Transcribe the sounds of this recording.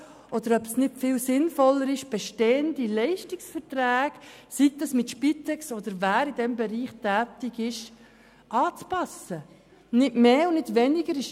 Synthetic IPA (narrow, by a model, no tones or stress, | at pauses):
ʔɔd̪əɾœpsnɪtfɪːlsɪnfɔlːəɾɪʃb̥ɛʃteːənd̪ilɛɪʃtɪksfəɾtɾæːɡ̥siɡ̚d̪ɑsmɪt̪ʃpitɛksɔd̪əɾvæːɾɪd̪ɛmbɛɾiːχtæːtɪɡɪʃ | ʔɑːt͡spɑsə | nɪtmeːʊnɪdʋɛnɪɡəɾɪʃ